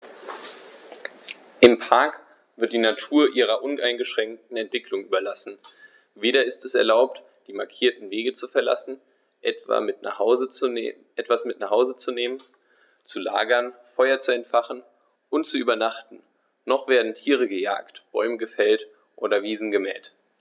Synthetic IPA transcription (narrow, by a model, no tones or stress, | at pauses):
ʔɪmpʰaɐk | v̥ɪɐt̚d̥iːnatʰuːɐʔiːʁɐʔʊnʔaɪnɡəʃʁ̥ɛŋk̚tn̩ɛntv̥ɪklʊŋʔyːbɐlasn̩ | veːɾɐɪstɛsɛɐlaʊp̚t | d̥iːmaɐkʰiːɐtn̩veːɡət͡sufɛɐla̰sn̩ | ʔɛva̰mɪta̰zʔɛtv̥asmɪtnaχhaʊzət͡suneːmən | t͡sula̰ːɡɐnfɔʏɐt͡suɛntfaχn̩ | ʔʊntt͡suʔyːbɐnaχtn̩ | nɔχv̥eːɐdn̩tʰiːʁ̞əɡəja̰ːktb̥ɔʏməɡəfɛlt | ʔo̰ːdɐviːzn̩ɡəmɛ̰ːt